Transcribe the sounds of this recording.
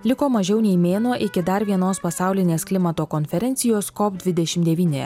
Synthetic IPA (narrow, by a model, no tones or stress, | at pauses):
lʲɪkoːmɐʒʲɛʊnʲɛɪmʲeːnoːʔɪkʲɪd̪ɐɾʋʲiɛnoːspɐsɑˑʊlʲɪnʲeːsklʲɪmɐt̪oːkɔnʲfʲɛɾʲɛnʲt̪sʲɪjoːskɔpd̪ʲʋʲɪd̪ʲɛʃʲɪmd̪ʲɛʋʲiːnʲejɛ̰